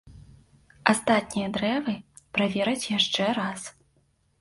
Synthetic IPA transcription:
ast̪at̪̚ʲnʲijɐd̪ɾɛvɨ | pɾavʲɛɾɐt͡sʲjaʂt͡ʂɛɾas

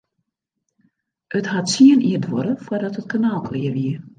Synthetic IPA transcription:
əthatsiəniərdʋɔɾəfwərdɔtət̚kʰanaːlˠkʰlɪərʋiər

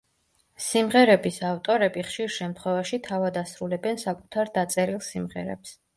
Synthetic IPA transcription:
simʁɛɾɛbisaft̪ʼɔɾɛbiχʃiɾʃɛmt̪ʰχwɛvaʃit̪ʰavad̪asɾulɛbɛnsakʼut̪ʰaɾd̪at̪sʼɛɾilˠsimʁɛ̰ɾɛ̰ps

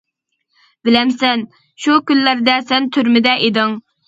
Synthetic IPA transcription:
bɪlɛmsɛn | ʃukʲylːæɾd̪ɛsɛnt̪ʰyɾmɪd̪ɛʔed̪ɨŋ

